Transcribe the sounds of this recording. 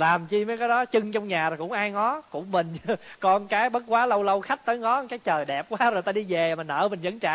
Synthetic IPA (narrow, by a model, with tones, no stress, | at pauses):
laː˨˩mt͡ɕi˧məː˨˦jkaː˨˦jɗɔ˨˦t͡ɕɨ˧ŋt͡ɕɔ˧wŋ͡mɲaː˨˩ɾo˨˩jkʊ̰˧˥ŋ͡mʔaː˧jŋɔ˨˦kʊ̰˧˩ŋ͡mmï˨˩ŋ̟˧kɔ˧nkaː˨˦jɓə˦˥t̚kwaː˨˦lə˧wlə˧wxa˦˥k̚t̪əː˨˦jŋɔ˨˦kaː˨˦jt͡ɕəː˨˩jɗɛ˨˩p̚kwaː˨˦zo˨˩jt̪aː˧ɗi˧ve˨˩˨ma˨˩nʔə̰ː˧˩mï˨˩ŋ̟zə˧˦nŋt͡ɕa̰ː˧˨